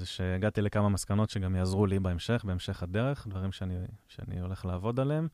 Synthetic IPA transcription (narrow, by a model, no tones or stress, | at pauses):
zeʃe̞ːɡat̪ile̞kamamaskano̞tʃe̞ɡamjaːzʁulibeemʃe̞χbeemʃe̞χad̪e̞ʁe̞χd̪vaʁimʃeaniʃea̰nḭo̞le̞χlaːvo̞daleem